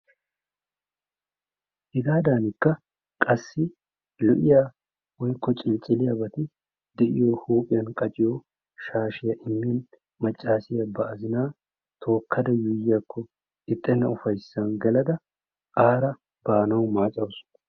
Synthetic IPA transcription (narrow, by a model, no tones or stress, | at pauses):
hɪɡ̪aːd̪aːnɪkːɐ | kʼɐsːɪ | lɛʔɪja | wɔjkʰːɔt͡ʃʼɪlt͡ʃʼɪlɪjabɐt̪ɪ | d̪ɛʔɪjohuːpʼɪjɐnkʼɐt͡ʃʼɪjo | ʃaːʃɪjɐʔɪmːɪjɐn | mɐt͡ʃʼːaːsɪjɐbɐʔɐzɪnaː | t̪ʰo̞ːkʰːɐd̪ɐjʊjjakʰːɔ | ɪt̪ʼːɛnːɐʊfɐjsːɐnɡɐlɐd̪ɐ | ʔaːɾɐ | b̥aːnɐwmaːt͡ʃʼɐwsʊ̥nɐ